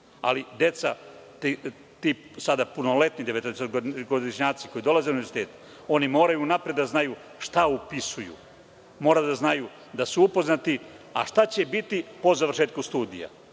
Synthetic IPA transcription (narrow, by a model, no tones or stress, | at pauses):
a̰lid̪je̞t̪sat̪i | t̪isad̪apuno̞le̞t̪nid̪eʋet̪oeset̪ɡoɡod̪iʃɲaːt̪si̥ko̞id̪o̞lˠaze̞uniezi̥t̪e̞ːt̪u̥ | o̞nimo̞ːɾajunapɾed̪d̪aznaju | ʃt̪aupisujṵ | mo̞ːɾad̪aznaju | d̪asuupo̞znat̪ia̰ʃt̪at͡ɕe̞bit̪ipo̞zaʋr̩ʃeːt̪̚kust̪uːd̪ḭja̰